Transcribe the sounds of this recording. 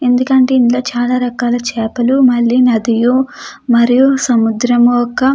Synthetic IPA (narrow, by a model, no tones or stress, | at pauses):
e̞nd̪ukɐɳʈe̞ːinloːt͡ʃaːlaːɾɐkaːlɐt͡ʃɛːpɐlumɐɭːinɐd̪ijumɐɾijusɐmud̪ɾɐmuɔkːɐ